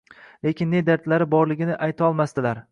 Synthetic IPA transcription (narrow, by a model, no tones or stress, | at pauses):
le̞kʲʰɪnːe̞d̪aɾt̪laɾɪbɒɾlɪɡʲɪnɪʔajt̪ʰɒlˠmast̪ɪlaɾ